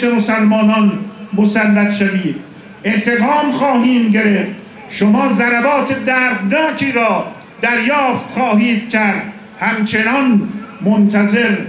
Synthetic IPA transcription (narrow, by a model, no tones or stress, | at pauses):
emosælmɒːnɒnmosælːæt̪ʃæviːd̪ | eht̪eɡɒːmχɒːɦiːmɟe̞ɾeft̪ | ʃomɒːzæɾæbɒːt̪ʰed̪æːɾd̪nɒːt͡ʃʰiːɾɒː | d̪æɾjɒːft̪χɒːɦiːd̪cʰæɾd̪̚ | hæmt͡ʃʰe̞nɒnmont̪ʰæze̞ɾ